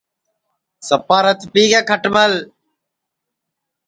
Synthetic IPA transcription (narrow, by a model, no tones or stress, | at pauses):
səpaːɾət̪ʰpiːɡeːkʰəʈməl